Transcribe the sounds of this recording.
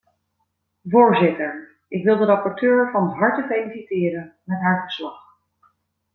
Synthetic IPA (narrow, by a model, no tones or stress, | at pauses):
vʊːɹzɪtəɹ | ʔɪkʋɪlˠdəɾɑpɔɹtøːɹvɑnɦɑɹtəfejlisitɪːɾənmɛtɦaːɹvəɹslɑχ